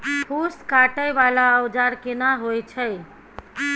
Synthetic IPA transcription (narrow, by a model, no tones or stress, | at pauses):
hʰuskaʈəjʋalaəʋd͡ʒaɽkenaɦojt͡ʃʰej